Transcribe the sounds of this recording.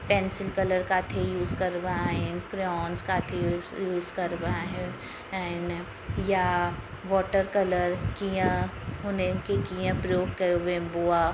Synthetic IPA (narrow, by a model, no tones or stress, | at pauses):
pɛːnsɪlkɐləɾkaːt̪ʰejuːzkɐɾbaɦẽnkɾɔːnzkaːt̪ʰejuːzkɐɾbaɦɛ̃ | ɛn | ja | ʋɔːʈəɾkɐləɾkijãɦonekekijãpɾəjoːɡ̚kɐjoʋẽboa